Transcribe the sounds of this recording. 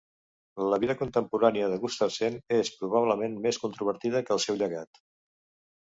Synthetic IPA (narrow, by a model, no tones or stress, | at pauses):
ləβiðəkunt̪əmpuɾaniəðəɣust̪əsenespɾuβ̞aβləmenmeskunt̪ɾuβəɾt̪iðəkəːlˠsɛwʎəɣat̪